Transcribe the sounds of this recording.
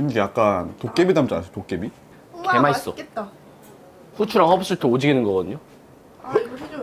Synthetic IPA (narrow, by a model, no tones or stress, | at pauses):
kɯɲd͡ʑejak͈antok͈ebidamt͡ɕ͈anasʰotok͈ebi | ke̞mais͈ʌ | ɸut͡ɕʰuɾaŋhʌbs͈uɭtʰood͡ʑiɡinɯnɡʌɡʌdɯɲo